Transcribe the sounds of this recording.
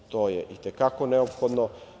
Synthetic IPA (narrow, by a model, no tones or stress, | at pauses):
t̪oːjḛʔit̪ekakoneopxod̪no